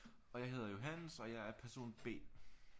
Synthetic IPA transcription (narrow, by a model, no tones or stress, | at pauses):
ɒ̽jɑ̈ɪe̝ðˠɐjo̝ɦænəsɒ̽jɑ̈ɪæɐpʰæɐso̝̰ːnb̥e̝̰ː